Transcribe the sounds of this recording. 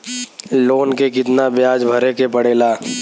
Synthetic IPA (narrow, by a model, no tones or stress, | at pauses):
loːnkekɪt̪nabjaːd͡ʒbʱɐɾekepəɽeːlaː